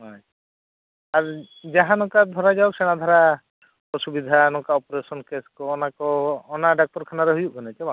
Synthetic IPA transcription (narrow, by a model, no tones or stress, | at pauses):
ɦɔ | aɾ | d͡ʒaɦãnɔkad̪ʱɔɾad͡ʒaɔk̚sɛɽ̃ad̪ʱɔɾa | ɔsubid̪ʱanɔkaɔpɔɾesɔnkeskɔːnakɔːnaɖak̚tɔɾkʰanaɾɛɦujuʔkʰɔnɛt͡ʃɛba